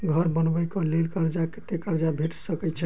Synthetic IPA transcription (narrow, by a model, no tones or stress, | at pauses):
ɡʱəɾbənbəjkɔlelkəɾd͡ʒaket̪ekəɾd͡ʒabʱeʈsəkɛt͡ʃʰɛ